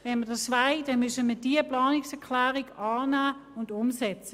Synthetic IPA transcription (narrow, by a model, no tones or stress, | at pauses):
vɛnmədɑsʋaɪdɛnmysəməd̥iəplɑːniksɛɐkʰlɛːʁiɡɑːnaːʊndʊmsɛt͡sə